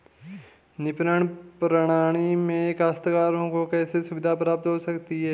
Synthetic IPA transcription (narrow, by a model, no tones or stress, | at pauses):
nɪpnəɳ̃pɾəɽ̃aːɽ̃imẽkaːst̪kaːɾõkokɛːsesʊbɪd̪ʱapɾaːp̚t̪ɦosɐkt̪iɦɛː